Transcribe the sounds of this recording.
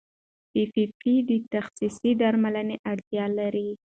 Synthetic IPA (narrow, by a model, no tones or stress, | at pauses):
fifipid̪ət̪axsisid̪aɾmaləneʔaɽt̪jɑlaɾi